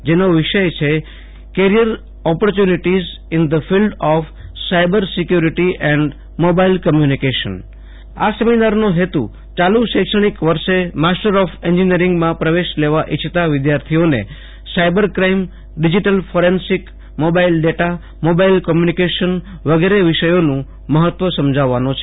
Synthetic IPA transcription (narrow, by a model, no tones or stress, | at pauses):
d͡ʒenoʋɪʃəjt͡ʃʰe | keɾijəɾ | ɔpəɾt͡ʃjuniʈiz | ɪnd̪əfilɖɔf | sajbəɾsɪkjuɾiʈiʔɛ̃ɳɖ | mobailkəmjunikeʃə̰n | a̰səmid̪aɾnoɦet̪ṵ | t͡ʃaluʃɛkʃəɽ̃ikʋəɾʃemasʈəɾɔfeɲd͡ʒiniəɾɪ̃ŋɡmãpɾəʋeʃleʋaʔit͡ʃʰt̪aʋɪd̪jaɾt̪ʰionḛ | sajbəɾkɾaim | ɖid͡ʒiʈəlfʰoɾensik | mobailɖeʈa | mobailkɔmjunikeʃənʋəɡeɾeʋɪʃəjonũ | məɦət̪ʋəsəmd͡ʒʱaʋːanõt͡ʃʰe̥